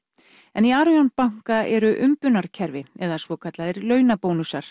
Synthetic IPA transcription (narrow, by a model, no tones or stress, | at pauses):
ɛniaɾvjɔnpawŋ̥kaɛɾʏʔʏmpʏnaɾ̥cʰɛɾvɪɛðasvɔkʰat̪laðɪɾlœːɥnapownʏsaɾ̥